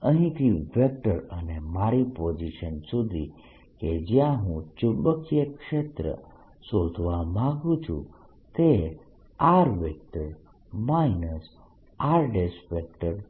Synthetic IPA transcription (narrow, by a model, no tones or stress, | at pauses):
əɦĩt̪ʰiʋek̚ʈəɾənemaɾipod͡ʒiʃənsud̪ʱi | ked͡ʒjãɦũt͡ʃubəkijəkʃet̪ɾə̰ | sod̪ʱʋamãɡũt͡ʃʰṵ̃ | t̪e | aɾʋek̚ʈəɾ | mainəs | aɾɖesʋek̚ʈəɾ